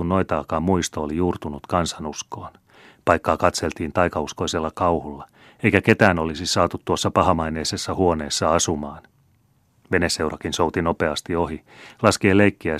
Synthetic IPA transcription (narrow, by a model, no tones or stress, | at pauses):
unnoit̪ɑːkɑːmmuist̪oolijuːrt̪unut̪kɑnsɑnusko̞ːn | pɑjkːɑːkɑt̪se̞lt̪iːnt̪ɑjkɑusko̞ise̞lːɑkɑwhulːɑ | e̞jkæke̞t̪æːno̞lisisɑːt̪ut̪tːuosːɑpɑɦɑmɑjne̞ːse̞sːɑhuo̞ne̞ːsːɑɑsumɑːn | ʋe̞nese̞wɾɑkinso̞wt̪ino̞pe̞ɑst̪io̞ɦilɑskeːleikːiæ